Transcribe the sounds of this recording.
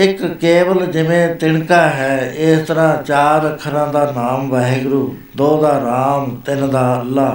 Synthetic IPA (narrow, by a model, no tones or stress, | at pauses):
ɪkːeːʋəld͡ʒɪʋẽːt̪ɪɳkaːɦɛːɪst̪əɾãːt͡ʃaːɾɾəkʰːəɾãːd̪aːnaːmʋɛːɦɡɾuː | d̪oːd̪aːɾaːmt̪ɪnd̪aːəlːaː